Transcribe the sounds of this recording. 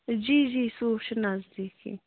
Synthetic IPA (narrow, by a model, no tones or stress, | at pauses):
d͡ʒiːd͡ʒiːsuːʃinazd̪iːkʰḭ